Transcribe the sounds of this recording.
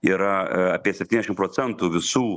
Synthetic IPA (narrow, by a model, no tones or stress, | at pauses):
iɾɐɐpʲiɛsʲɛp̪̚ʲinʲɛʃɪmpɾoːsʲɛnt̪uʋʲɪsuː